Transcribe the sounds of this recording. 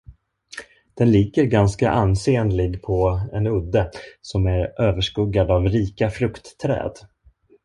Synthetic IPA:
d̪̥ɛnlɪɡəɾɡanskaʔanːseːənlɪɡpʰɔɛnɵd̪ːəsɔmæɾʔøːvəʂkɵɡːad̪avɾiːkafɾɵkt̪ːʰɾɛ̰ːd̪

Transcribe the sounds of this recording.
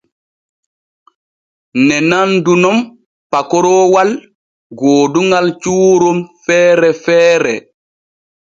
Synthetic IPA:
nɛnandunɔm | pakɔɾɔːwal | ɡoːduŋɡalt͡ʃuːɾɔmfɛːɾɛfɛːɾɛ

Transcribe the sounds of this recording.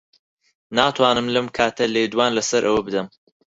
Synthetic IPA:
naːt̪ʰwaːnɨmlɐmkʰaːt̪ʰɐleːd̪waːnlɐsɐɾʔɐwɐbɨd̪ɐm

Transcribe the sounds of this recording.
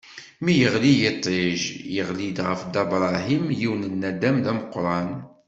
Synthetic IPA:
mijəʁlijet̪ˤːeʒjəʁlid̪ʁəfd̪ɑbɾˤɑɦimjiwnənːæd̪æmlæməqɾˤɑn

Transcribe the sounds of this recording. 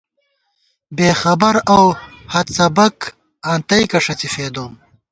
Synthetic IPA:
beːxɐbɐɾawhɐt̪sɐbɐk | ant̪ɐjkɐʂɐt͡sifeːd̪oːm

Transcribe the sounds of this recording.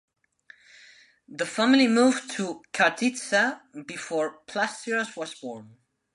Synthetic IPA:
ðəfæml̩ˠimuvtʰəkʰaɹdʰitsabɨfɔɹpʰl̥astiɹəswʌzbɔɹn

